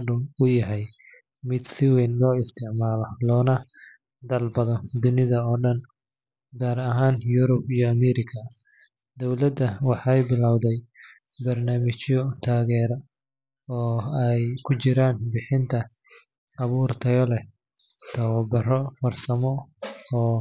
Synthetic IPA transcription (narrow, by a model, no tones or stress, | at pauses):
dʊʊjɐɦɛj | mɪd̪sɪwɛːnlɔːɪst̪ʰɪʕmaːlɔlɔːnɐ | d̪ɐlbɐðɐnd̪ʊnɪðɐɔːɖɐn | ɡaːɾɐɦaːnjʊɾʊbijɔɐmɛːɾɪkʰɐ | d̪ɔwlɐd̪ɐwɑħɑjbɪlawðɛjbɐrnaːmɪt͡ʃjɔt̪ʰaːɣɛːɾɔ | ɔːɛjkʰʊt͡ʃɪɾaːnbɪħɪnt̪ʰɐː | βuːrt̪ʰɐjɔlɛ | t̪ʰɐwɐbɐrɔfɐrsɐmɔɔː